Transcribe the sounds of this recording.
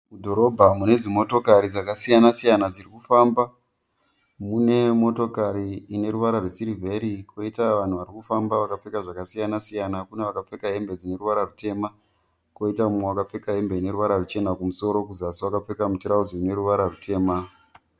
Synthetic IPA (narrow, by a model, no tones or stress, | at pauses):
mudʱo̞ɾo̞bʱamune̞d͡zimo̞to̞kaɾid͡zakasijanasijanad͡zirikufamba | mune̞mo̞to̞kaɾiːne̞ɾuʋaɾarwesiɾivʱe̞ɾikʰo̞itaʋan̤uʋaɾikufambaʋakap͡fe̞kaʐakasijanasijanakuneʋakap͡fe̞kaɦe̞mbe̞d͡zine̞ruʋaɾarute̞ma | ko̞itamumwewakap͡fe̞kaɦe̞mbe̞ine̞ɾuʋaɾarut͡ʃe̞nakumuso̞ɾo̞kuzasiwakap͡fe̞kamutiɾauziune̞ɾuʋaɾarutʰe̞ːma